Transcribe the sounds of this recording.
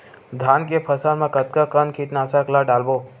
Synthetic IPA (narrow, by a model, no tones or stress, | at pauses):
d̪ʱaːnkepʰəsanmãkət̪kakənkʰiʈ̪naːsaklaɖaːlboː